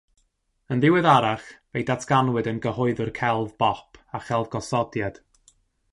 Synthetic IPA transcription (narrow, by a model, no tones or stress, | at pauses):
ənðɪwɨðaɾaχvejdatʰɡ̥anwɨdənɡəhʊɨðʊrkʰɛlˠvbɔpʰaχɛlˠvɡɔsɔdjad̥